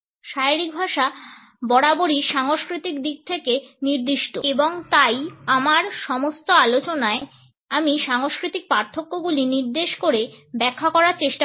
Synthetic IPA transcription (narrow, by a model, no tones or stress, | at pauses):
ʃaiɾik̚bʱaʃa | bɔɽaboɽiʃaŋoskɾit̪ikd̪iɡ̚t̪ʰekeniɾd̪iʃʈo̰eboŋt̪ajamaɾʃɔmost̪oalot͡ɕonae | amiʃaŋoskɾit̪ik̚paɾt̪ʰːokːoɡuliniɾd̪eʃkoɾebɛkʰːakɔɾaɾt͡ɕeʃʈa